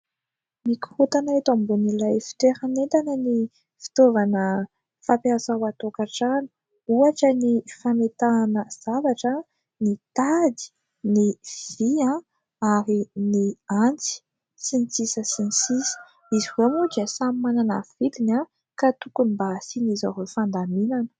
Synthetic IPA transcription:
miku̥hut̪anaet̪ambunilajfi̥t̪eɾanent̪anəni | fi̥t̪ovanə | fapiasawat̪okaʈ͡ʂani̥ | uaʈ͡ʂənifamet̪aːnəz̥avaʈ͡ʂə | nit̪ad̪i̥ | nivvv̥iã | aɾiniant͡si̥ | sinit͡sisəsinit͡sisə̥ | iziwemud̪iəsamimanana̰vilina | kat̪ukunimbasinizaɾefand̪aminanə̥

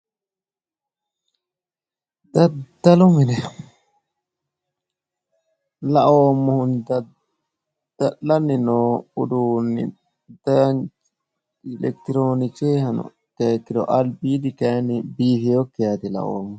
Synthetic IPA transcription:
d̪ɐd̪ːɐlʊmɪnɛ | lɐʔoːmːɔhʊnd̪ɐ | d̪̥ɐʔːɐnːɪnoːʊd̪uːnːɪ̰ | d̪ɐ | ɪlɛkt̪ɪɾoːnɪt͡ʃeːhɐnɔ̰ | keːkːɪd̪ɔ̰ʔɐlbiːd̪ɪkenːɪbiːhɪjokːɪjat̪ɪlɐ̰ʔo̰ːmːɔ

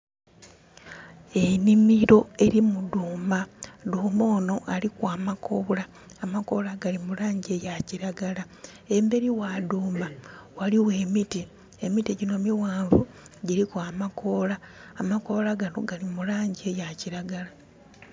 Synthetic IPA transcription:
e̞nimiɾo̞e̞ɾimuduːmaduːmo̞ːno̞ʔalikwaːmako̞ːlaː | mako̞laɡalimulaːɲɟe̞jaciɾaɡala | e̞mbe̞ɾiwaduːmbawaliwe̞ːmiti | emitiɟino̞miwaːɱvu | ɟiɾikwaːmako̞laːmako̞laɡano̞ɡalimulaːɲɟie̞jaciɾaɡala

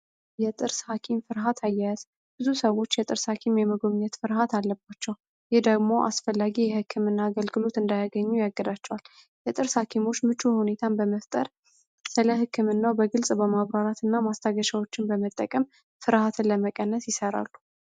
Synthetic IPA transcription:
jɛt̪ʼɨɾshakʰimfɨɾɦat̪ʰajːajaz̥ | b̥ɨzusəwo̞t͡ʃːjɛt̪ʼɨɾshakʰimjɛməɡomɲɛt̪fɨɾɦat̪ʰalːəbat͡ʃːɛw | jɪhd̪əɡmo̞ʔa̰sfəlːaɡijɛhɨkʰːɨmɨnːaːɡəlɡɨlo̞t̪ɨnd̪ajaɡəɲːujaɡːɨd̪at͡ʃːɛwal | jɛt̪ʼɨɾshakʰimo̞t͡ʃːmɨt͡ʃuhune̞t̪ʰanbəməft̪ʼəɾ | sɨləɦɨkʰːɨmɨnːabəɡɨlsʼbəmaβɾaɾat̪ɨnːamast̪ʰaɡəʃawo̞t͡ʃːɪnbəmət̪ʼːəkʼəm | fɨɾhat̪ʰləməkʼənːəsjɪsəɾa̰lːu

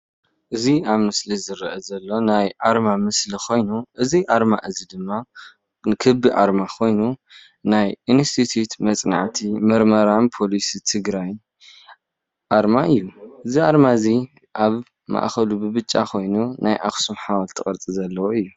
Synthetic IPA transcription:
ʔɨziaβmɨslizɨɾɐʔɐzɐlːo̞najʔaɾmamɨslikʰo̞jnuʔɨziʔaɾmaʔɨzid̪ɨmːa | kʰɨbːiʔa̰ɾmakʰo̞jnu | najinst̪ʰit̪ʰjut̪mɐt͡sʼna̰ʕt̪ʰimɐɾmɐɾampʰo̞lisit̪ʰɨɡɾaj | ʔaɾmaɨjːuʔɨziʔaɾmaɨzi | ʔaβ | ma̰ʔxɐlubɨβɨt͡ʃʼːa̰kʰo̞jnunajʔa̰xsumħawalt̪ʰɨχʼɐɾt͡s̪ʼizɐlːɐwoɨjːu

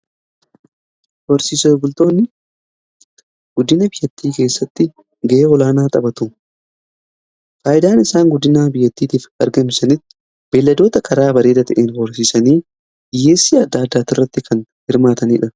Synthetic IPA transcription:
hɔɾsiːsɐɡʊlt̪o̞ːnːɪ | ɡ̥ʊd̪ːɪnɐbɪjːɐt̪ːiːke̞ːsːɐt̪ːɪ | ɡɐʔeːɔlaːnaːt̪ʼɐbɐt̪ʊ | faːʔɪd̪aːnɪsaːŋɡʊd̪ːɪnaːbɪjːɐt̪ːiːt̪iːfɐɾɡɐmsɐnɪt̪ːɪ̥ | b̥e̞ːlːɐd̪o̞ːt̪ɐkʰɐɾaːbɐɾe̞ːd̪ɐt̪ɐʔeːnhɔɾsiːsɐniː | ɪje̞ːsːiːɐd̪ːaːd̪ːaːt̪ɪrːɐt̪ːɪkʰɐnhɪɾmaːt̪ɐniːᶑɐ

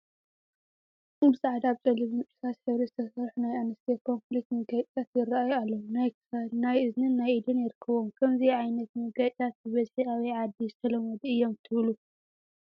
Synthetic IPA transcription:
ɨmɨsʼaʕd̪aβt͡sʼɐliβɨnt͡ʃʼɨ̥sʰat̪ħɨβɾizɨt̪ʰɐsɐɾħunajanɐst̪ʰekʰo̞nflik̚t̪mɨɡajʼt̪ʼʰat̪jɪrːaʔajualːɐunaj | najɨznɨnːajɨd̪ɨnjɪɾɨkʰːɐβomkʰɐmziʕajnɐt̪mɨɡajʼt̪ʼʰat̪̚bɨβɐzħiaβɐjʕad̪ːizɨt̪ʰɐlɐmɐd̪iɨjːomt̪ʰɨβlu

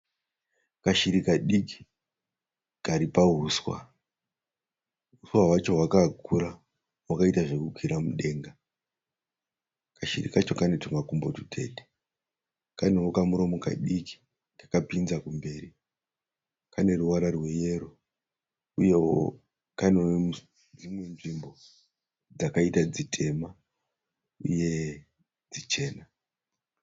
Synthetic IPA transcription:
kaʃiɾikaɗiki̥ | kaɾipaɦuswa̰ | ɦuswawat͡ʃo̞ɦwakakuɾa | wakaitaʐe̞kukwiɾamuɗe̞ːŋɡa | kaʃḭrḭkat͡ʃo̞kane̞tomakumbo̞tutʰe̞̰ɗe̥ | kanewokamuɾo̞moka̰ɗiki̥ | dakapinzakumbe̞ːri | kane̞ruwaɾarwe̞je̞ɾo̞ | uje̞wo̰ | kanewm | d͡zimwe̞nʐimbo̞ | d͡zakaitad͡zitʰe̞ma | uje̞ | d͡zit͡ʃe̞ːna

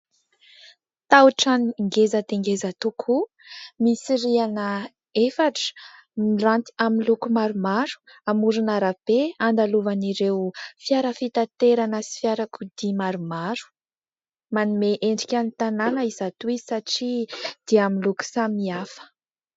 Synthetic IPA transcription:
t̪awʈ͡ʂanŋɡezəd̪eŋɡezət̪ukʰu | misiɾianə | efaʈ͡ʂ | mirant̪i̥amilukumaɾumaɾu̥ | amuɾunaɾab̥eand̪aluvaniɾewfjaɾəfit̪at̪eɾanəsi̥fjaɾakud̪imaɾumaɾu̥ | manumeʔeɳɖ͡ʐikʲanit̪ananəizat̪uiisaʈ͡ʂid̪̥eamiluku̥samiafə̥

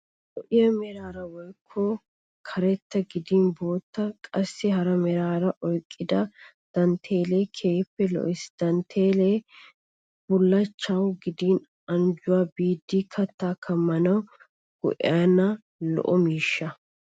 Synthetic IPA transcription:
ʔɔʔɪjɐmɛɾaːɾɐwɔjkʰːɔ | kʰɐɾɛt̪ːɐɡɪd̪iːnbo̞ːt̪ːɐkʼɐsːɪɦɐɾɐmɛɾaːɾɐʔɔjkʼːɪd̪ɐ | d̪̥ɐnt̪ʰeːleːkʰe̞ːpːɛlɔ̰ʔɪsd̪̥ɐnt̪ʰeːleː | b̥ʊlːɐt͡ʃːɐwɡɪd̪iːn | ɐnd͡ʒʊwaːbiːd̪ːikʰɐt̪ːaːkʰɐmːɐnɐw | ɡ̥ɔ̰ʔɪ̰aːnɐ | lɔ̰ʔɔmiːʃːɐ

